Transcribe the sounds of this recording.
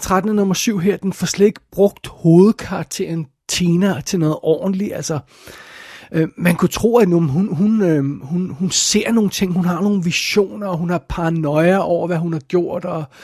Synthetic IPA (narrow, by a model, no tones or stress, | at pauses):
t͡sʰʁad̥nənɒ̽mɐsyʊ̰ɦeɐ̰d̥enfɒ̽sled̥e̝ɡ̥̚b̥ʁɔ̽ɡ̥̚d̥ho̝ːð̞̩ˠkʰɑ̈ɑɡ̥̚t͡sʰe̝ɐn | t͡sʰeːnɐt͡sʰe̝nɔ̽ːð̩ˠʔɒ̰ːnliælsɐ | ʔømænkʰut͡sʰʁṵːænumɦunɦunøhunhunse̝ɐ̰no̝ːn̩t͡sʰe̝ŋ̰ɦunɦɑ̈no̝ːn̩ʋiɕo̝̰ːnɐ̽ːɦunhɑ̈pʰɑ̈nɒ̽ɪɐʔɒʊ̰ɐʋæɦunhɑ̈ɡ̥jo̝ɐ̰d̥ɒ